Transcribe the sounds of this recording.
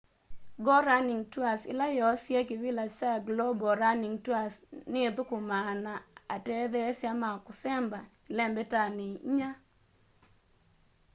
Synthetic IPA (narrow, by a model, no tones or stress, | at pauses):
ɡɔɾaniŋtwasɪ̰lajɔsjekɪvɪlat͡ʃaɡlobɔɾaniŋtwasnɪt̪ʊkʊmanaatɛðɛsjamakʊsɛmbaɪlɛmbɛtanɪɲa